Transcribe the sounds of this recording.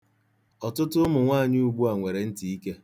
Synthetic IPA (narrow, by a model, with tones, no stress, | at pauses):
ɔ˨tʊ˦tʊ˦mʊ˨ŋʷaː˦˨ɲɪ˦u˨ɡ͡bu˦a˨ŋʷe˨ɾe˨n̩˦ti˨i˦ke˦